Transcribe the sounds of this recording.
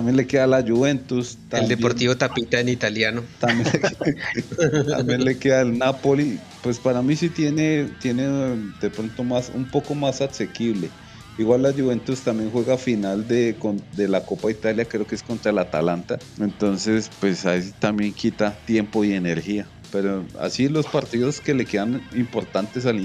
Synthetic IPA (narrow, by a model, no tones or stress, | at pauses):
t̪amje̞nle̞ke̞ðalad͡ʒuβe̞nt̪ust̪aeld̪epoɾt̪iβot̪apit̪aenit̪aljanot̪ambjee | t̪a̰mbjenlekeðaelnapo̞li | pwe̞spaɾamisit̪je̞net̪je̞ned̪epɾo̞nt̪o̞masṵmpo̞ko̞masase̞kiβle̞ | iɣwalːaʝuβe̞nt̪ust̪ambje̞ŋxwe̞ɣafinald̪ekond̪e̞lako̞pait̪aljakɾe̞okeesko̞nt̪ɾalat̪a̰lant̪a | e̞nt̪o̞nse̞spwe̞sat̪ambje̞ŋkʰit̪at̪je̞mpo̞iene̞ɾxia | pe̞ɾoa̰silo̞spaɾt̪iðo̞ske̞le̞ke̞ðanimpo̞ɾt̪ant̪e̞s̬al